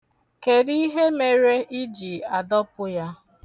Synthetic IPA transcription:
ke˨di˦i˦ɦe˦me˨ɾe˦i˦d͡ʒi˨a˨dɔ˦pʊ˦ja˦

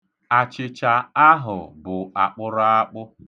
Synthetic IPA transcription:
a˨t͡ʃɪ˨t͡ʃa˨a˦ɦʊ˨bʊ˨a˨k͡pʊ˦ɾa˦a˦k͡pʊ˦

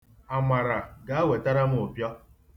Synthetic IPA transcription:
a˨ma˨ɾa˨ɡa˨a˦we˨ta˦ɾa˦m̩˦ʊ˨pjɔ˦

